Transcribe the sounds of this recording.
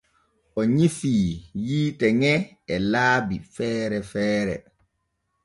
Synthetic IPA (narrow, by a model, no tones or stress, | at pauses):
ʔɔɲifiːjiːtɛŋɛ | ɛlaːbifɛːɾɛfɛːɾɛ̰